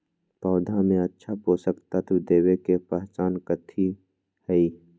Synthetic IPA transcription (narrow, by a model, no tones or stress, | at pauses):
pɔːd̪ʱamẽətːʃʰapoːsəkt̪ət̪ʰwd̪eːwekepəɦt͡ʃaːnkət̪ʰi | hɛiː